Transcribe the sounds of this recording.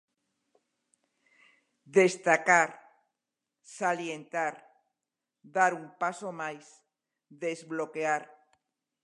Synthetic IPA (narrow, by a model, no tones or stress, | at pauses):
d̪est̪akaɾ | saljent̪aɾ | d̪aɾumpasomajs | ðezβlokeaɾ